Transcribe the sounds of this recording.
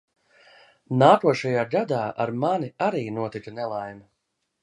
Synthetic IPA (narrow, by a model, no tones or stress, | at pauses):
naːkuɔʃajaːɡad̪aːʔa̰ɾmaniaɾiːnuɔt̪ikɐnɛlˠajmɐ